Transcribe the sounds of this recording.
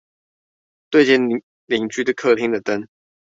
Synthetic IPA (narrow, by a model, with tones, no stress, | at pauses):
t̪we˥˧ɪt͡ɕɛ˥˩n | li˨˩ŋt͡ɕy˥d̪ə˥kʰɤ˥˧˩t̪ʰi˥ŋd̪ə˨t̪ə˦˥n